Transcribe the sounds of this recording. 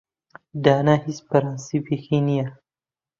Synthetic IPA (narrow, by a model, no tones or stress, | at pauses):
d̪aːnahispɐɾansipexinija